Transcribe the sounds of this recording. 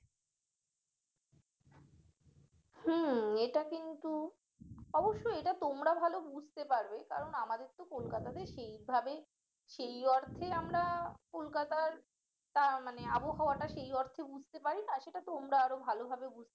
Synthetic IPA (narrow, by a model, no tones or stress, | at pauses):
hm̩eʈakint̪u | ɔboʃːoeʈat̪omɾabʱalobud͡ʑʱt̪epaɾbeka̰ɾonamad̪eɾt̪okolkat̪ad̪eɾʃejbʱabe | ʃejɔɾt̪ʰeamɾakolkat̪aɾ | t̪amaneaboɦaoaʈaʃejɔɾt̪ʰebud͡ʑʱt̪epaɾinaʃeʈat̪omɾaaɾobʱalobʱabebud͡ʑʱt̪